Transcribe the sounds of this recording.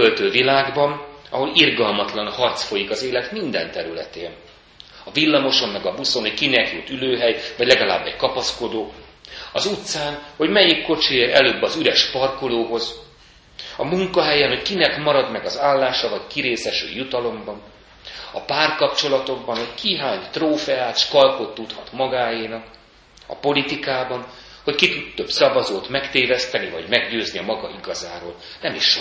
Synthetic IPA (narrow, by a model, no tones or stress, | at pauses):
ølt̪øːvilaːɡbɒnɒ̰ɦo̞lirɡɒlmɒt̪lɒnhɒrt̪sfo̞jikɒzeːlɛt̪mind̪ɛ̰nt̪ɛɾylɛ̰t̪ḛːn | ɒvilːɒmo̞ʃo̞mːɛɡɒbuso̞nɦockinɛkjut̪ːyløːɦɛjvɒɟlɛɡɒla̰ːbːɛckɒpɒsko̞d̪oːɒzut̪saːnho̞ɟmɛjikːo̞t͡ʃieːɾɛ̰løːbːɒzyɾɛʃpɒrkoloːɦo̞z | ɒmuŋkɒɦɛjɛnɦo̞ckinɛkmɒɾɒd̪mɛɡɒzaːlːaːʃɒvɒckiɾeːsɛʃø̰ːjut̪ɒlo̞mbɒn | ɒpaːrkɒpt͡ʃo̞lɒt̪o̞ɡ̚bɒnhockʰiɦaːɲt̪roːfɛaːt̪ʃkɒlko̞t̪ːut̪hɒt̪mɒɡaːjiːnɒk | ɒ̰po̞lit̪ikaːbɒn | ho̞ckit̪ut̪ːøbsɒvɒzoːt̪mɛkt̪eːvɛst̪ɛnivɒ̰ɟmɛɡɟøːzniɒmɒɡɒiɡɒzaːɾo̰ːl | nɛmiʃ